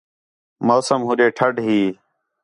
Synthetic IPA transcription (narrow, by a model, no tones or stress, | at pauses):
moːsəmɦʊɗeːʈʰəɖɦiː